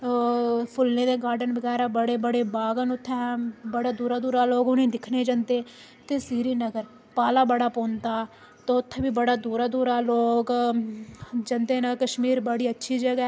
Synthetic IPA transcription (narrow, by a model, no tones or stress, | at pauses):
pʰʊlnẽːd̪eːɡaːɾɖənbəɡɛːɾaːbəɽeːbəɽeːbaːɡənʊt̪ʰːɛːbəɽaːd̪uːɾaːd̪uːɾaːloːɡʊnĩːd̪ɪkʰneːd͡ʒə̃nt̪eː | t̪eːsiːɾiːnəɡəɾ | paːlaːbəɽaːpoːnt̪aː | t̪oːʊt̪ʰːbiːbəɽaːd̪uːɾaːd̪uːɾaːloːɡ | d͡ʒənt̪eːnaːkəʃmiːɾbəɽiːətːʃʰiːd͡ʒəɡɛː